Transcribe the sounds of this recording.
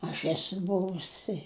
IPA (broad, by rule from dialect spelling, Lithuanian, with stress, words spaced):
ɐʃ ˈæːsʊ ˈbʊʋʊs ɪ